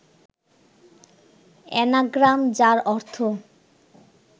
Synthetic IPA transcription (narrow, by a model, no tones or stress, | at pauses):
ɛ̰naɡɾamd͡ʑaɾɔɾt̪ʰo